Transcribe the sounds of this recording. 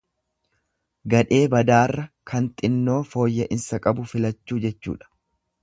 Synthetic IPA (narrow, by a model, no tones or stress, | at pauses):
ɡɐᶑe̞ːbɐd̪aːrːɐkɐnt̪ʼɪnːo̞ːfo̞ːjːɐʔɪnsɐkʼɐbʊfɪlɐt͡ʃːuːd͡ʒɛt͡ʃːṵːᶑɐ̥